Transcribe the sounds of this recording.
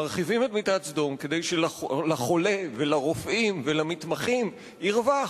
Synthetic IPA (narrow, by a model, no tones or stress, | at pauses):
aʁχivimetmit̪at͡sd̪omked̪ejʃelalaχo̞levelaʁofimvelamit̪maχim | iʁva